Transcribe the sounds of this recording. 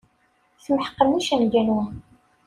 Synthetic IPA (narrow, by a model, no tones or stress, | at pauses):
θəmħə̥qːəmuʃænɡænu